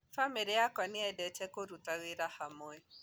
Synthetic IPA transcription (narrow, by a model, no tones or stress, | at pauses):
famiɾiakɔnɪɛdɛt͡ʃɛkoɾutawiɾahamoɛ